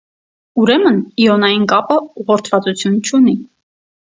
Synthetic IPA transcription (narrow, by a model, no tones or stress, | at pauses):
uɾɛməniɔnɑjinkɑpəuʁɔɾt̪ʰvɑt͡sut͡sʰjunt͡ʃʰuni